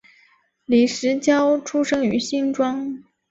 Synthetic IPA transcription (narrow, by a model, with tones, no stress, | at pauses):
li˨˩ʂɻ̩˧˥t͡ɕjɑ˥ʊʈ͡ʂʰu˥ʂɤ˥ŋy˧˥ɕi˥˩ŋʈ͡ʂwɑ˥ŋ